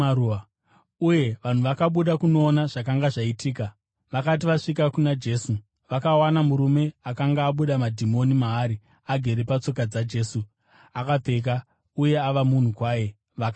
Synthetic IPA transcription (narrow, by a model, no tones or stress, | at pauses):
au | uje̞ʋan̤uʋakaɓuɗakuno̞ːnaʐakaŋɡaʐaitʰiːka | ʋakat̬iʋaʂikakunad͡ʒe̞ːsu | ʋakawanamuɾume̞akaŋɡaːɓuɗamadʱimo̞nimaːɾi | aɡʱe̞ɾe̞pat͡so̞kad͡zad͡ʒe̞ːsu | akap͡fe̞k̬a | uje̞aʋamun̤ukwaːje̞ | ʋak